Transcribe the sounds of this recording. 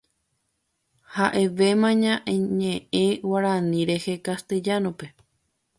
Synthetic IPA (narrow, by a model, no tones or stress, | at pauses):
haʔe̞ʋe̞mãɲãʔẽɲẽʔẽwaɾãnĩɾe̞he̞kast̪ed͡ʒanõpe̞